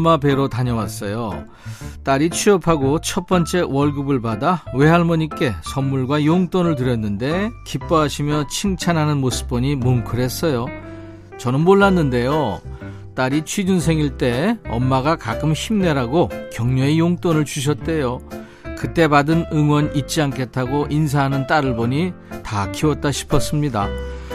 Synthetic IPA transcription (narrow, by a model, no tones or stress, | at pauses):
ʌmːabe̞ɾotaɲʌwas͈ʌjo̰ | t͈aɾit͡ɕʰɥiʌpʰaɡot͡ɕʰʌp͈ʌnt͡ɕ͈e̞wʌɭɡubɯɭbadawe̞ɦaɭmʌɲik͈e̞sʰʌmːuɭɡwajoŋt͈onɯɭtɯɾjʌnːɯnde̞kip͈ʌɦaɕʰimjʌt͡ɕʰiŋt͡ɕʰanɦanɯnmosʰɯ̥p͈ʌɲimomkʰɯɾe̞s͈ʌjo | t͡ɕʌnɯnmoɭːanːɯnde̞jo | t͈aɾit͡ɕʰwid͡ʑunsʰe̞ŋiɭt͈e̞ʌmːaɡakak͈ɯmçimne̞ɾaɡokjʌŋɲoejoŋt͈onɯɭt͡ɕuɕ̬ʰʌt̚t͈e̞jo | kɯt͈e̞badɯnɯŋwʌnit̚t͡ɕ͈iankʰe̞tʰaɡoʔins̬ʰaɦanɯnt͈aɾɯɭbʌɲitakʰiwʌt̚t͈aɕʰi̥pʰʌs͈ɯmɲida̰